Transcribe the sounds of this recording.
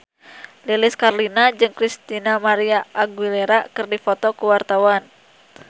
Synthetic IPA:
lilɪskarlinad͡ʒɨŋkɾist̪inamaɾiaʔːɡwilɛɾakɨrdifɔt̪ɔkuwart̪awan

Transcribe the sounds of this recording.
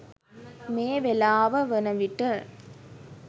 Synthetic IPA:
meːʋɛlaːʋɐʋɛnɐʋɪʈːɯ

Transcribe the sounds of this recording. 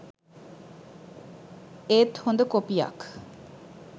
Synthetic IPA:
et̪hond̪əkopija̰k

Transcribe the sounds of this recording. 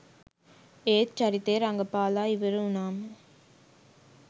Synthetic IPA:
eːt̪t͡ʃɐɾɪt̪ːeːɾɐŋɡɐpaːlaːɪʋɐɾɯʊnaːmɐ

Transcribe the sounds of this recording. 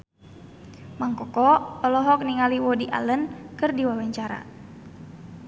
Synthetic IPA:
maŋkɔkɔpəlɔɦɔk̚niŋaliwɔdiʔa̰lənkɨrdiwawaɲt͡ʃaɾa̰

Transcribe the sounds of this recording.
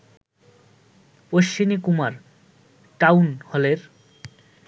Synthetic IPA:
poʃt͡ɕimikumaɾ | ʈawnholeɾ

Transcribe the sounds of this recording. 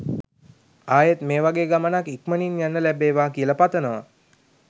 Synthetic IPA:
aːjet̪meːʋaɡeːɡamənakikməninjanːəlæbeːʋaːkiələpat̪ənəʋa

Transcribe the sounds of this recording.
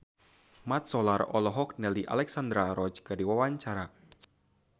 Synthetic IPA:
mat̪̚sɔlarɔ̰lɔɦɔk̚nɛliʔa̰lɛksand̪ɾaɾɔt͡ʃkadiwawaɲt͡ʃaɾa

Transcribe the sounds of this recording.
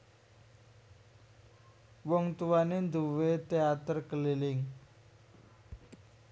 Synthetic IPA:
woŋt̪uanend̪uʋet̪eat̪əɾkəliliŋ

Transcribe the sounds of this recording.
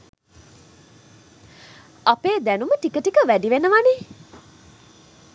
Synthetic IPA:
apeːd̪ænuməʈikəʈikəʋæɖiʋenəʋane

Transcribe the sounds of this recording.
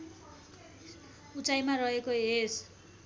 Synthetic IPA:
ut͡sajmaɾʌɦekoɦes

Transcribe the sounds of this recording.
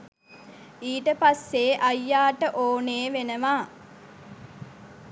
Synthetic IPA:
iːʈəpasːeːʔɐjːaːʈəʔoːneːʋenəʋaː

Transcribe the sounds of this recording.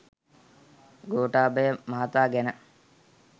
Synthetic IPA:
ɡoːʈaːbəjəmaɦat̪aːɡɛnə

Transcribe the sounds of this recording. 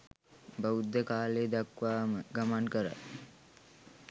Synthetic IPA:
bəud̪ːəkaːleːd̪akʋaːməɡamankəɾə̰

